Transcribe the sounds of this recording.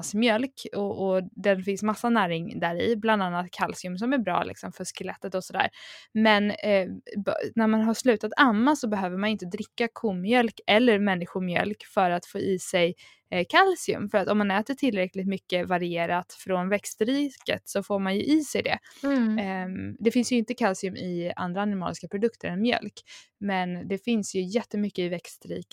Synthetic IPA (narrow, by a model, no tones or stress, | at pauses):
smjœlkɔʔɔd̪ɛnfɪnsmasːanæːɾɪŋd̪æɾɪ̰bland̪anːat̪kʰalsɪɵmsɔmæɾbɾɑ̰ːlɪ̰ksɔmfœʂkɛlɛt̪ːət̪ɔsɔd̪æ̰ːɾmɛn | bnæɾmanɦaʂlʉ̟ːt̪at̪ʰamːasɔbɛɦøːvəɾmanɪnt̪əd̪ɾɪkːakʰuːmːjœlkɛlːəɾmɛnːɪɧʊɾmjœ̰lkfœɾat̪foːʔiːsɛj | kʰalsɪɵ̰mfœɾat̪ɔmːanɛːt̪əʈʰɪlɾɛklɪɡt̪mʏkːəvaɾɪeːɾat̪fɾɔnvɛkst̪ɾiːkə̰t̪sɔfoːɾmanjɵ̰ʔiːsɛjd̪ɛ̰ | d̪ɛfɪnsjəɵɪnt̪əkʰalsɪɵmʔɪa̰nd̪ɾaːnɪmɑ̰lɪskapʰɾʊd̪ɵkt̪ʰəɾɛnmjœ̰lk | mɛnd̪ɛfɪnsjɵjɛt̪ːəmʏkːəɪvɛkst̪ɾḭːk